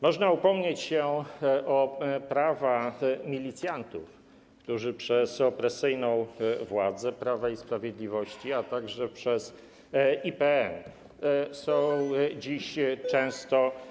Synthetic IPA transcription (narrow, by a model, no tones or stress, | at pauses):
mɔʐnaupɔmɲet͡ɕɕɛʔɔpɾavamʲilʲit̪sjant̪ṵf | kt̪uʐɘpʂɛsɔpɾɛsɘjnɔ̃w̃vwad̪zɛpɾavaispɾavʲjed̪lʲivɔɕt͡ɕiat̪aɡʐɛpʂɛz | ipɛɛn | sɔ̃w̃d͡ʑiɕt͡ʂɛ̃w̃st̪ɔ